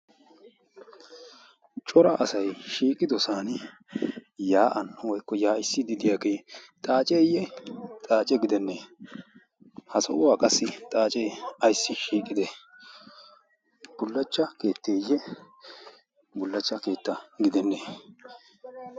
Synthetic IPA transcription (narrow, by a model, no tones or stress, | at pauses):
t͡ʃʼɔɾɐʔɐsɐjʃiːkʼɪd̪ɔsaːnɪ | jaːʔɐnːɔwɔjkːɔjaːɪsːɪd̪ɪd̪ɪjaɡeːt̪ʼaːt͡ʃʼejːɛt̪ʼaːt͡ʃʼɛɡɪd̪ɛnːeː | hɐsɐʔʊwaːkʼɐsːɪt̪ʼaːt͡ʃʼeɐjsːɪʃiːkʼːɪd̪ɛ | b̥ʊlːɐt͡ʃːɐke̞ːt̪ːeːjːɛ | bʊlːɐt͡ʃːɐke̞ːt̪ːɐɡɪd̪ɛnːeː